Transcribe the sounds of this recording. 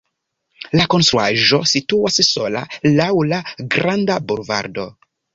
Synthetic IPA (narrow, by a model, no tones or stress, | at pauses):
lako̞nst̪ɾuaʒo̞situasso̞la̰lawlaɡɾandabuɾva̰ɾdo̞